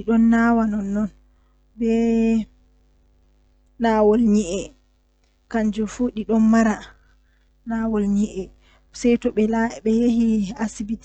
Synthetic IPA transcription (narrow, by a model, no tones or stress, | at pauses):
ɗiɗɔnːawanɔnːɔn | bɛ | nawɔlɲiʔɛ | kaɲd͡ʒufuɗiɗɔnmaɾa | nawɔlɲiʔɛ | sɛjtɔɓɛlabɛjehiasibit